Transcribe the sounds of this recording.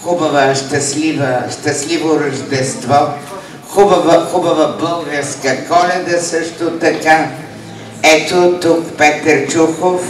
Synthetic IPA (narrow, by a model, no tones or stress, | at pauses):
xubəvəʃt̪ɐslivəʃt̪ɐslivoɾəʒd̪ɛst̪vɔ | xubəvəxubɐvəbəlˠɡəɾskəkɔlɛd̪əsəʃt̪ot̪ɐka | ɛt̪ot̪ʊkpɛt̪əɾt͡ʃuxof